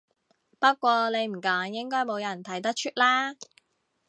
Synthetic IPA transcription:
pɐ˥t̚kʷɔː˧le˨˧jm̩˨˩kaː˨˥ŋjɪ˥ŋkɔː˥jmo˨˧wjɐ˨˩nt̪ʰɐ˨˩jt̪ɐ˥k̚t͡ʃʰyː˥t̚laː˥

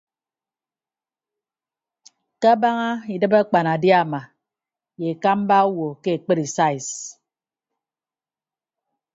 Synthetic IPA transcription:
ka˦a˦ba˦ŋa˦i˨dɨ˦ba˦k͡pa˨n˨a˨dja˦˨ma˨ | je˨ka˦m˦ba˦wo˨ke˦e˨k͡pe˦ɾi˨sa˦i˨s

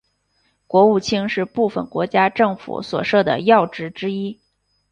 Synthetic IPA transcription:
kwɔ˧˥u˥˩t͡ɕʰi˥ŋʂɻ̩˥˧pu˥˩fə̰˨˩nkwɔ˧˥t͡ɕja˥ʈ͡ʂɤ˥˩ŋfṵ˧˩swɔ̰˨˩ʂɤ˥˩d̪ə̰˩jɑ˥˩ʊʈ͡ʂɻ̩˧˥ʈ͡ʂɻ̩˥i˥

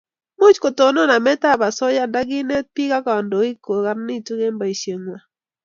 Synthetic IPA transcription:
mu˦t͡ʃko˨to˨nɔ˦na˨mɛ˦ta˦ba˨sɔ˦ja˦nda˦ɡɪ˦ne˦t̪̚pi˦ka˦ka˨ndo˨i˦ko˨ka˦nnɪ˦˨tu˦ɡe˦mba˨i˨ʃje˨ŋwa˨

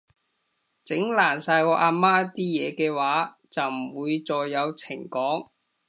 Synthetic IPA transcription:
t͡sɪ˨˥ŋlaː˨˩nsaː˧jkɔː˧ʔaː˧maː˥t̪iː˥jɛː˨˧kɛː˧waː˨˥ | t͡sɐ˨wm̩˨˩wuː˨˧jt͡sɔː˨jːɐ˨˧wt͡sʰɪ˨˩ŋkɔː˨˥ŋ

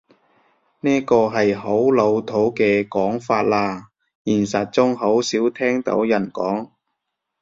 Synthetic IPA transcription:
niː˥kɔː˧ɦɐ˨jho˨˥wlo˨˧wt̪ʰo˨˥wkɛː˧kɔː˨˥ŋfaː˧t̚laː˧ | jiː˨˩nsɐ˨t̚t͡sʊ˥ŋɦo˨˥wsiː˨˥wt̪ʰɛː˥ŋt̪o̰˨˥wjɐ˨˩nkɔː˨˥ŋ

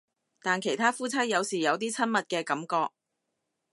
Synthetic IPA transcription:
t̪aː˨nkʰe˨˩jt̪ʰaː˥fuː˥t͡sʰɐ˥jjɐ˨˧wsiː˨˩jɐ˨˧wt̪iː˥t͡sʰɐ˥nmɐ˨t̚kɛː˧kɐ˨˥mkɔː˧k̚

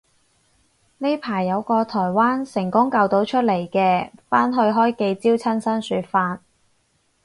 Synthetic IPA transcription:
ne˥jpʰaː˨˩jːɐ˨˧wkɔː˧t̪ʰɔː˨˩jwaː˥nsɪ˨˩ŋkʊ˥ŋkɐ˧wt̪o˨˥wt͡ʃʰɵ˥t̚le˨˩jkɛː˧faː˥nɦɵ˧ɥɦɔː˥jke˧jt͡siː˥wt͡sʰɐ˥nsɐ˥nsyː˨˧t̚faː˧t̚

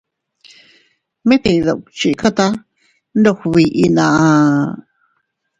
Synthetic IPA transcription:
mẽ˦t̪ĩ˧˨˧ðo˨wk̚t͡ʃi˧˨˧ka˦t̪a˦ | nd̪o˧xβi˧ʔi˧nã˧˨ʔa˧

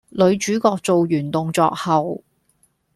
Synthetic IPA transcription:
lɵ˨˧ɥt͡ʃyː˨˥kɔː˧k̚t͡so˨wjyː˨˩nt̪ʊ˨ŋt͡sɔ̰ː˧k̚hɐ˨w

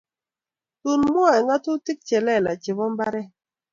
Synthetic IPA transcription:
tu˨nmu˦a˨ɛ˨ŋa˦tu˦ti˦k̚t͡ʃɛ˨lɛ˦˨la˨t͡ʃɪ˨bɔ˦m˦ba˦ɾɛ˦

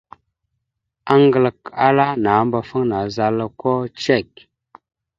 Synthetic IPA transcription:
a˦ŋɡə˨lə˨ka˦la˦na˨˦mba˨fə˦ŋna˨za˨la˦ko˦t͡ʃe˦˨k̚

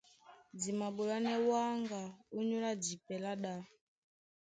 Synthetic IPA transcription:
d͡zi˨ma˨ɓu˨la˦nɛ˦wa˦ŋɡa˨u˦ɲu˦la˦d͡zi˨pɛ˨la˦ɗa˦

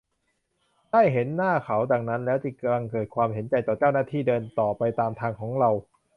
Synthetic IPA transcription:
daː˥˩jɦe˩˦nːaː˥˩kʰa˩˦wdaː˧ŋna˦˥nlɛː˦˥wt͡ɕi˧˩ka˧la˧ŋkɤː˨˩t̪̚kʰwaː˧mhɦe˩˦nt͡ɕa˧jt̪ɔː˨˩t͡ɕaː˥˩wnaː˥˩t̪ʰiː˥˩dɤː˧nt̪ɔː˨˩pa˧jt̪aː˧mt̪ʰaː˧ŋkʰɔː˩˦ŋɾa˧w

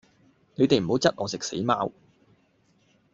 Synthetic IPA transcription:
ne˨˧t̪e˨jm̩˨˩ho˨˥wt͡sɐ˥t̚ʔɔː˨˧sɪ˨k̚sḛ˨˥jmaː˥w

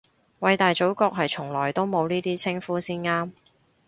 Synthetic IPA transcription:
wɐ˨˧jt̪aː˨jt͡so˨˥wkɔː˧k̚ɦɐ˨jt͡sʰʊ˨˩ŋlɔː˨˩jt̪o˥wmo˨˧wniː˥t̪iː˥t͡sʰɪ˥ŋfuː˨˥siː˥nŋaː˥m

